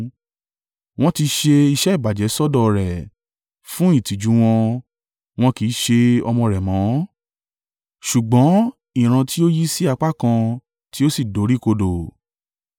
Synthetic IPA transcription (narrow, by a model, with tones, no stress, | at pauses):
w̃ɔ̃˦ti˧ʃe˧i˧ʃɛ˦i˦˨ba˨d͡ʒɛ˨˦sɔ˦dɔ˧ɾɛ˨ | fũ˦i˦˨ti˨d͡ʒu˨˦w̃ɔ̃˧ | w̃ɔ̃˧ki˨˦ʃe˧ɔ˧mɔ̃˧ɾɛ˨mɔ̃˨˦ | ʃu˨ɡ͡bɔ̃˨˦ | ĩ˦˨ɾ̃ã˧ti˦o˦ji˦si˦a˧k͡pa˦kã˧ | ti˦o˦si˦˨do˨˦ɾi˦ko˧do˨